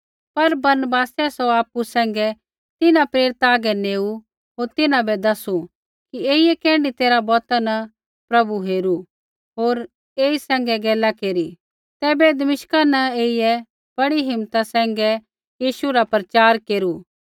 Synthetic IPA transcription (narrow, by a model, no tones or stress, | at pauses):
pɐɾbɐɾnəbaːsɛsɔaːpːusɛ̃ːŋ̆ɡɛ | t̪ɪnãpɾeːɾɪt̪aːɡɛneːu | ɦoːɾt̪ɪnãbɛd̪ɐsu | kieːijɛkɛ̃ːɳɖit̪eːɾabɔːt̪anɐ | pɾɐbuɦeːɾu | ɦoːɾ | eːisɛ̃ːŋɡɛɡɛːlakeːɾi | t̪ɛːbɛd̪ɐmɪʃkanɐeːijɛ | b̥ɐɽiɦɪmːt̪asɛ̃ːŋ̆ɡɛ | jiːʃuɾapɾət͡ʃaːɾkeːɾuː